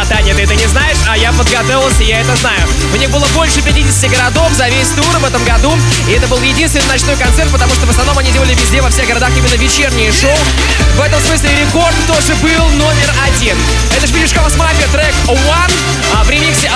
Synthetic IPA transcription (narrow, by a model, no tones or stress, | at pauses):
ɐd̪anʲɪjət̪ɨɛt̪ənʲɪznajɪʂajapəd̪ɡɐd̪ovʲɪlˠsʲəjaɛt̪əznajʊ | mnʲebɨlˠəbo̞lʲʂɨpʲɪtʲidʲɪsʲɪ̥tʲɪɡəɾɐd̪o̞fzɐvʲesʲt̪urvɛt̪əmɡɐd̪u | ɪɛt̪əbɨlˠjɪdʲinst̪vɪniznɐt͡ɕno̞jkɐnt̪sɛrt̪pət̪ɐmuʂt̪ovəsnɐvno̞mɐnʲidʲeəlʲɪvʲɪzʲdʲevɐfsʲe̞ɣɡəɾɐd̪aximʲɪnːəvʲɪt͡ɕernʲɪjəʂoʊ | vɛt̪əmsmɨs̬ʲlʲɪɾʲɪko̞rt̪t̪o̞ʐɨbɨlˠno̞mʲɪrɐdʲin | ɛt̪əɨvʲidʲɪʂkasmaɾʲkət̪ɾɛk | van | pɾʲɪmʲiksʲɪ